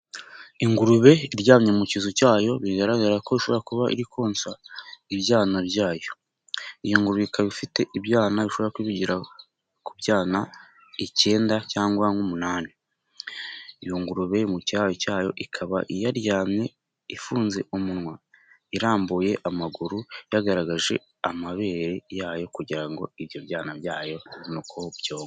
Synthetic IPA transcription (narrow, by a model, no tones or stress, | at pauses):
iŋɡuɾuβe̞iɾɟaːmɲemucizocaːjo̞βiiɡaɾaɡaɾako̞βiʃo̞βoɾakuβaʔḭɾikʰoːnsaiβjaːnaβjaːjo̞ | ijoŋɡuɾuβeikaβifite̞ʔiβjaːnaβiʃo̞βoakuβiɟiɾa | kuβjaːna | ice̞ːndacaːŋɡwaŋɡumunaːni | joŋɡuɾuβe̞muciajocaːjo̞̰ʔikʰaβa̰ʔijaɾjaːmɲe̞ | ifuːnze̞ʔumunŋwa | iɾaːmbuje̞ʔamaɡuɾujaɡaɾaɡaʒe̞̰ | amaβe̞ːɾejaːjo̞kuɟiɾaŋɡo̞̰iβjo̞βjaːnaβjaːjo̞nukobjoːŋ